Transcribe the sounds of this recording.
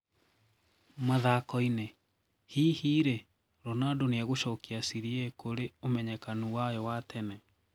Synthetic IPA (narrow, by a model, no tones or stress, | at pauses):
maðakɔine | hiːhiːɾe | ɾɔnadoneaɣoʃɔkiasiɾiekoɾeomɛɲɛkanuwajɔwatʰɛnɛ